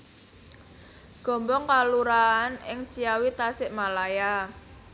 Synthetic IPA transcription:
ɡ̥ɔ̤mbɔŋkaluɾaːnɪŋt͡ʃiawit̪asɪʔmalaja

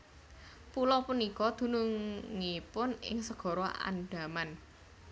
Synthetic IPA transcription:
pulɔpunikɔd̪̥ṳnuŋŋipʊnɪ̰ŋsəɡ̥ɔ̤ɾɔʔa̰nɖ̥a̤man

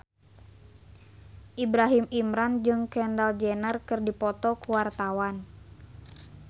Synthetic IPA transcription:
ʔibɾaɦimimɾand͡ʒɨŋkɛndald͡ʒɛnərkɨrdipɔt̪ɔkuwart̪awan

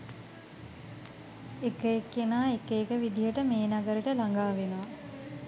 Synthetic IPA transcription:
ekəekːenaːekəekəʋid̪iɦəʈəmeːnaɡəɾiʈəlaŋɡaːʋenəʋa

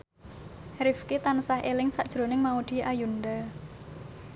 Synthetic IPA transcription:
ɾɪfkit̪anəsahʔelɪŋsaʔd̥ʒ̥ɾo̤nɪŋmaud̪̥i̤ʔajund̪a

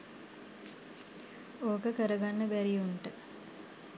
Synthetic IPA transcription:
oːkəkəɾəɡanːəbæɾiuɳʈə

